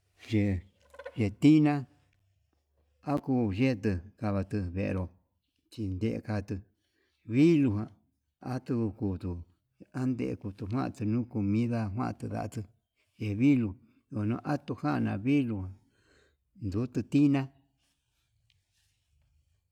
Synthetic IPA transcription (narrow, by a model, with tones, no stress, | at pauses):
ʒe˨ | ʒe˧t̪i˦nã˦ | a˦kuː˧ʒe˦t̪ɨ˧ka˧βa˧t̪ɨ˧βḛ˨˧ɾo˨ | t͡ʃi˧nd̪e˧ʔḛ˧ka˧t̪ɨ˧ | βi˦lu˧ɦã˧ | a˦t̪u˧ku˧ku˧t̪u˧ | a˦nd̪ḛ˧ʔḛ˧ku˧t̪u˧ɦʷwã̰˦ʔa̰˧t̪ɨ˧nũ˦ku˧mĩ˦ða˦ɦwã̰˦˧˨t̪ɨ˧ða̰˧ʔt̪ɨ˧ | ʒe˨βi˦lu˨˧ | o˨˧nũ˧˦ʔa˦t̪u˧hã˦˧nã̰˧˨βi˦lu˧hã˨ | nd̪u˨˦t̪ɨ˧t̪i˦nã˦